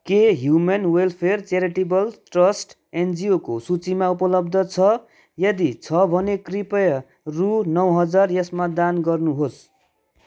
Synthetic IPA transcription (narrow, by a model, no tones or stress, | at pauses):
keɦjumenwelpʰert͡seɾiʈibʌlʈrʌsʈ | end͡ziokosut͡simaupʌlʌb̚d̪ʱʌt͡sʰʌ | jʌd̪it͡sʰʌbʱʌnekripʌjʌ | runʌwɦʌd͡zarjʌsmad̪anɡʌrnuɦos